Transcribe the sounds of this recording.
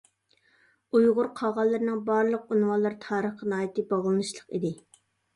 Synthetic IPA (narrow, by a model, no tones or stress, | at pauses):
ujʁʊɾqʰɑʁɑlˠːɨɾnɨŋbɑɾlˠəq̚unwɑlˠɑɾt̪ʰɑːɾəχənɑːjɪt̪ɨbɑʁlˠɨnɨʃlˠəqḭd̪ɪ